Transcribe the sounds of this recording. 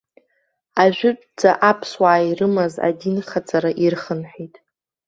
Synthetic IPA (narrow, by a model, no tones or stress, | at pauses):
aʒʷᶣʊʈ͡ʂʼd͡zʼaʔapʰswaːirɨmaza̰dinχat͡sʼaɾaʔirχənħejtʼ